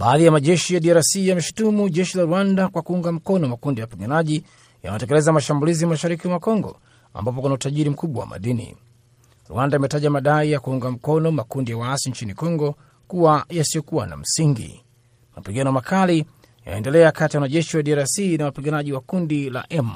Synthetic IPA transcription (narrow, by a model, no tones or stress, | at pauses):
ɓaːðijamaʄɛʃijaɗiaɾasijamɛʃu̥tumuʄɛʃilaɾuandakwakuuŋɡam̩kɔnɔmakundijawapiɠanaʄi | ja̰mɛtɛkɛlɛzamaʃambuliziamaʃaɾikimwakɔŋɡɔ̰ | a̰mbap̬ɔkunautaʄiɾim̩kuɓwa̰wa̰ma̰ɗinḭ | ɾṵandaimɛtaʄamaɗaijakuuŋɡam̩kɔnɔmakundijawaasiɲt͡ʃinikɔŋɡɔ | kuwajasijɔkuwana̰m̩siŋɡḭ | mapiɠanɔmakʰali | ja̰ɛndɛlɛakatijawanaʄɛʃiwaɗiaɾasinawapiɠanaʄiwakundila̰ʔɛm